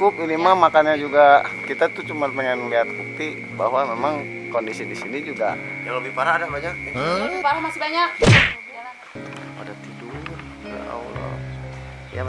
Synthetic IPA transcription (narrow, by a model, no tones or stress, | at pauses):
kʊp̚inimamakanɲad͡ʒuɡakit̪at̪ut͡ʃumanpəŋɛnliɦat̪̚kuk̚t̪i | baɦwamemaŋ | kɔndisidisinid͡ʒuɡa̰jaŋlobipaɾaːdabaɲapaɾamasibaɲak̚ | padat̪idur | ada̰ʔa̰ulɔ̰ | ja̰